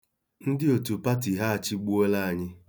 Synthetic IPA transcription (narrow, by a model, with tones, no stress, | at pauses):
n̩˦dɪ˦o˨tu˨pa˦ti˨ɦa˦a˨t͡ʃɪ˦ɡ͡bu˦o˦la˦a˨ɲɪ˦